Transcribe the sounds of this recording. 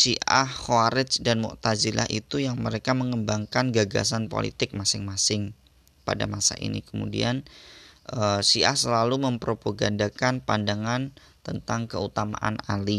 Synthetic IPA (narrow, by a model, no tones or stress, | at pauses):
siʔahhoaɾɪt͡ʃdanmɔ̰ʔt̪azilʔa̰hʔit̪ujaŋməɾekaməŋəmbaŋkanɡaɡa̰s̬anpo̰lḭt̪ɪk̚masɪŋmasɪŋ | pa̰da̰masa̰ʔḭnḭkəmṵdḭanʔəsiʔa̰hsəlaluməmpɾopoɡandakanpandaŋan | t̪ənt̪aŋkəut̪ama̰ʔanali